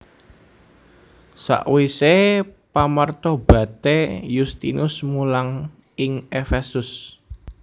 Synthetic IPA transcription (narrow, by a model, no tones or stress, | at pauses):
sa̰ʔwisepamərt̪ɔb̥a̤t̪ejust̪ḭnʔʊsmulaŋ | ɪŋefesʊs